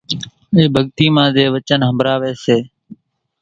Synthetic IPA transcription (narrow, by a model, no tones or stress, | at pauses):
ɪːbʱəɠt̪iːmãːd̪eːʋət͡ʃənɦəmbɾaːʋeːseː